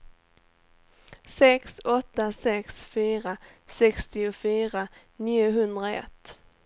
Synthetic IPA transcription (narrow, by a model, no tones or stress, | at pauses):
sɛksɔt̪ːasɛksfyːɾasɛkst̪ɪʊfyːɾa | niːʊɦɵnd̪ɾaɛ̰t̪ː